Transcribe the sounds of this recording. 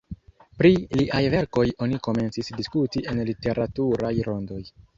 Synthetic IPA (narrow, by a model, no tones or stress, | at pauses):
pɾiliʔajve̞ɾko̞jo̞niko̞me̞nt͡sisdiskutie̞nlite̞ɾatuɾajɾo̞ndo̞j